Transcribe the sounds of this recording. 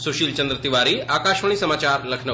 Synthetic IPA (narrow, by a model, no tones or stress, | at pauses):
soʃiːlt͡ɕənd̪ɾət̪iʋaɾiːakaʃʋəɳ̃iːsəmat͡ɕaɾlɐkʰnə